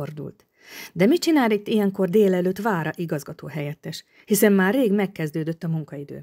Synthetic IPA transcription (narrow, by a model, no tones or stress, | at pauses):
ord̪ṵlt̪ | d̪ɛmit͡ʃinaːlt̪it̪ːijɛŋko̞rd̪eːlɛløːt̪ːvaːɾɒʔiɡɒzɡɒt̪oːɦɛjɛt̪ːɛʃ | hisɛmːaːrːeːɡmɛkːɛzd̪øːd̪øt̪ːɒmuŋkɒid̪ø̰ːn